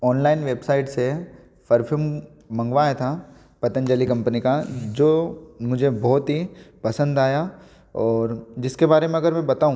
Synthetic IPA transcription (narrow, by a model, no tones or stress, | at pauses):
ɔːnlaːɪnʋeːbsaːɪʈse | fɐɾpʰumː | ɐ̃ŋɡʋaːet̪ʰa | pɐt̪ə̃nd͡ʒəlikɐ̃mpnikad͡ʒoːmʊd͡ʒʱebɔːt̪ɦipɐsə̃nd̪aːja | ɔːɾd͡ʒɪskebaːɾemẽɐɡəɾmɛ̃bɐt̪aːũ